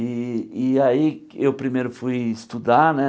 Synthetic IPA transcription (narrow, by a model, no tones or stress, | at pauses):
iiaiewpɾimejɾʊfujɪst̪ud̪anɛ